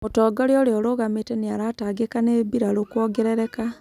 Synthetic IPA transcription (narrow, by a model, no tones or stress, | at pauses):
motɔːɡɔɾeoɾeɔɾoɣameteneaɾataɡekanebiɾaɾokwɔɡɛɾɛɾɛka